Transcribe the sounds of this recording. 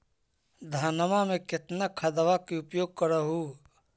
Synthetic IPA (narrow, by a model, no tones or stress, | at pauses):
d̪ʱaːnəmamẽkɪt̪nakʰɐd̪əʋakiʊpjoːɡ̚kəɾaɦuː